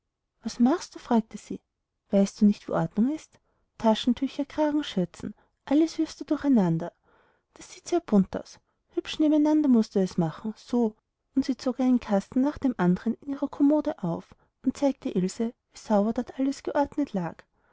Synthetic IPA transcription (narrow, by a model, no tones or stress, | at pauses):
v̥asmaχst̚d̥uːfʁ̥aːk̚təz̥iː | v̥aɪstd̥uːnɪçtv̥ḭːʔɔɐdnʊŋɪst | tʰaʃn̩tʰʏçɐkʁ̥aːɡŋ̩ʃʏt͡sn̩ | ʔaləsv̥ɪɐfstd̥uːdʊɐχæɪnandɐ | d̥asz̥iːtz̥eːɐb̥ʊnta̰ʊs | hʏpʃneːbmæɪnandɐmʊstd̥uɛsmaχn̩z̥oː | ʔʊntz̥iːt͡soːkʔaɪnənkʰastn̩naːχd̥eːmʔandəʁənɪniːʁɐkʰomoːdəʔaʊf | ʊnt̚t͡saɪk̚tʰəʔɪlzəviːzaʊbɐdɔtʔaləsɡ̥əʔɔɐdnətʰlaːk